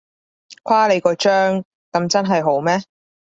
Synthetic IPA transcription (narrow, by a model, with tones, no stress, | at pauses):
kʰwaː˥le˨˧jkɔː˧t͡ʃœː˥ŋ | kɐ˨˧mt͡sɐ˥nɦɐ˨jɦo˨˥wmɛː˥